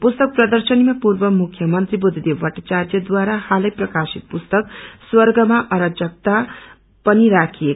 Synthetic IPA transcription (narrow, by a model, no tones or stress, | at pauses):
pust̪ʌk̚prʌd̪ʌrsʌnimapurbʌmukʰjʌmʌnt̪ribud̪ʱid̪ewbʌʈʌt͡sarjʌd̪waɾahalʌjprʌkasit̪̚pust̪ʌkswʌrɡʌmaʔʌɾʌd͡zʌk̚t̪a | pʌniɾakʰije